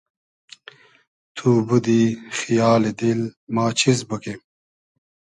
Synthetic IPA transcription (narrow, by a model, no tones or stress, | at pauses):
t̪ʰuːbud̪ixijaːled̪ilmaːt͡ɕʰizbɐke